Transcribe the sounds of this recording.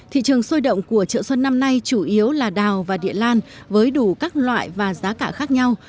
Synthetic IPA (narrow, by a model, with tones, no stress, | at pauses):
t̪ʰḭ˧˨t͡ɕɨ˨˩əŋso˧jɗə̰˧˨wŋ͡mku˧˩ət͡ɕə̰ː˧˨swə˧nːa˧mna˧jt͡ɕu˧˩ʔi˨˦əwlaː˨˩ɗaː˨˩wvaː˨˩ɗḭ˧˨əlaː˧n | vəː˨˦jɗu˧˩kaː˦˥k̚lwa̰ː˧˨jvaː˨˩zaː˨˦kaː˧˩xaː˦˥k̚ɲa˧w